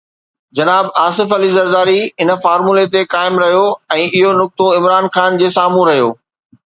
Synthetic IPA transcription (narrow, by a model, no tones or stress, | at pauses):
d͡ʑɐnaːbaːsɪfɐlizɐɾd̪aːɾiɪnə̆faːɾmulet̪ekaːɪmɾɐɦjoɛ̃ːʔɪɦonʊk̚t̪oɪ̃mɾaːnxaːnd͡ʑeːsaːmũɾɐɦijoː